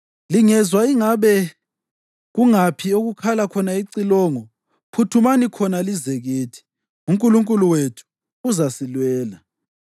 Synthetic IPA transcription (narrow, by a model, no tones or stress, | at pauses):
liŋɛzwaiŋaβɛ | ɣuŋapʰioɣukʰalakʰɔnaiǀilɔŋɔ | pʰutʰumanikʰɔnalizeɣeːtʰi̥ | umkʼuluŋkʼuluwetʰu̥ː | zasilwɛːla